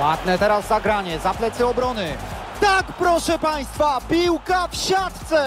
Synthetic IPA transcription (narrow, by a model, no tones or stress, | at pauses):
wad̪nɛt̪ɛɾazːaɡɾaɲɛzaplɛt̪sɘɔbɾɔnɘ | t̪akpɾɔʂɛpaj̃st̪fapʲiwkafɕat̪t̪sɛ